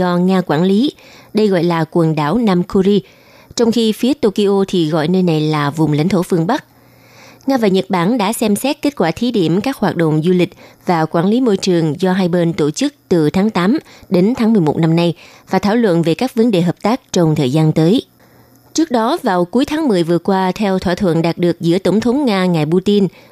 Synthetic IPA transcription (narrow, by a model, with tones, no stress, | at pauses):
zɔ˧ŋaː˧kwaː˧˩nli˨˦ɗə˧jɣɔ̰˧˨jlaː˨˩kwə˨˩nɗaː˧˩wnaː˧mkʰu˧zi˧ | t͡ɕɔ˧wŋ͡mxi˧fi˨˦ət̪o˧ki˧ʔo˧t̪ʰi˨˩ɣɔ̰˧˨jnəː˧jna˨˩jlaː˨˩vʊ˨˩ŋ͡mla̰˧˥jŋ̟t̪ʰo˧˩fɨ˧əŋɓa˦˥k̚ | ŋaː˧vaː˨˩ɲə˨˩t̚ɓaː˧˩nɗa̰ː˧˥sɛ˧msɛ˦˥t̚ke˦˥t̚kwaː˧˩t̪ʰi˨˦ɗi˧˩əmkaː˦˥k̚hwaː˨˩t̚ɗə̰˧˨wŋ͡mzu˧lï˨˩k̟̚vaː˨˩kwaː˧˩nli˨˦mo˧jt͡ɕɨ˨˩əŋzɔ˧ɦaː˧jɓe˧nt̪o˧˩t͡ɕɨ˦˥k̚t̪ɨ˨˩t̪ʰaː˨˦ŋt̪aː˨˦mɗe˨˦nt̪ʰaː˨˦ŋmɨ˨˩əjmo˨˩t̚na˧mna˧jvaː˨˩t̪ʰaː˧˩wlwə̰˧˨nve˨˩kaː˦˥k̚və˨˦nɗe˨˩ɦəː˨˩p̚t̪aː˦˥k̚t͡ɕɔ˧wŋ͡mt̪ʰəː˨˩jzaː˧nt̪əː˨˦j | t͡ɕɨ˦˥k̚ɗɔ˨˦vaː˨˩wku˨˦jt̪ʰaː˨˦ŋmɨ˨˩əjvɨ˨˩əkwaː˧t̪ʰɛ˧wt̪ʰwaː˧˩t̪ʰwə̰˧˨nɗaː˨˩t̚ɗɨ˨˩ək̚zɨ̰˧˥ət̪ə˧˩wŋ͡mt̪ʰə˨˦wŋ͡mŋaː˧ŋaː˨˩jɓu˧t̪i˧n